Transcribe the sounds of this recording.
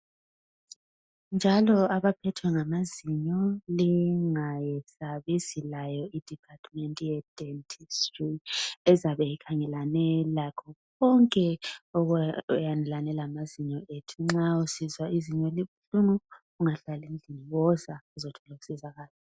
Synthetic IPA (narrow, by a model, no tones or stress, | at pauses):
nd͡ʒʱalɔaβapʰɛtʰwɛŋamaziɲɔliŋajɛsaβizilajɔid̥ʱipʰatʰʼmɛntʼujɛd̥ɛntʰʼistriɛzaβɛjikʰaŋɛlanɛlakʰɔkɔŋkʼɛɔjandʱɛlanɛlamaziɲɔetʰuŋ͡ǁausizwaiziɲɔliβuɬunuɣuŋaɬalind͡ɮʱiniwɔzauzɔtʰɔlaku̥sizaɣaːla